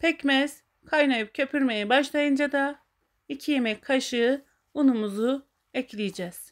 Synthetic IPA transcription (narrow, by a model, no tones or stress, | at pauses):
pʰɛcmɛz̥ | kʰajnajɯp̚cʰø̞pʰyɾme̞jɛbaʃlˠajɯnd͡ʒad̪a | icʰijemɛcʲkʰaʃɯ | unumuzu | ɛclʲijd͡ʒɛz̥